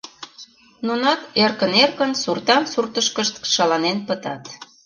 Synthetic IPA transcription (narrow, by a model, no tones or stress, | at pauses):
nunɑt̪erkənerkənsurt̪ɑnsurt̪əʃkəʃt̪ʃɑlɑnenpət̪ɑt̪